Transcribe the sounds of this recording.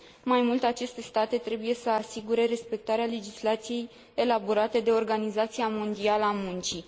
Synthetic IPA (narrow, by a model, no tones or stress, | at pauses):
majmult̪e̞at͡ʃe̞st̪e̞st̪at̪e̞t̪ɾe̞buje̞səasiɡuɾe̞ɾe̞spe̞k̚t̪aɾeale̞d͡ʒislat̪sije̞j | e̞laboɾat̪e̞d̪e̞o̞rɡanizat̪sijamo̞nd̪ialəamunt͡ʃi